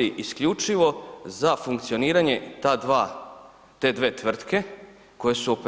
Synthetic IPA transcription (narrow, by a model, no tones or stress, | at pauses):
iʔiskʎut͡ʃiʋo̞zafuŋkt̪sio̞niːɾaɲe̞t̪aːd̪ʋa | t̪e̞ːd̪ʋe̞ːt̪ʋr̩t̪ke̞ | ko̞je̞suo̞p